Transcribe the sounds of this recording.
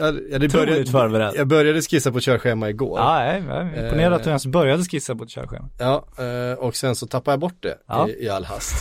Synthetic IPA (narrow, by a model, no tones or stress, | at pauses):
jɑːjɑːd̪ɛœɾjat̪fœːɾbɛɾɛjɑːɡ̚bœɾjad̪əskisːapɔt̪ɕœːɾɧeːmaɪɡo̰ːɾɛ̰ɪmpʊneːɾad̪aɛnsbœɾjad̪əskisːapʰɔt̪ɕœ̰ːɾɧḛːmaɑːɔksɛnsɔt̪ʰapːad̪jabɔʈ̚ːd̪ɛ̰ːɪalːha̰st̪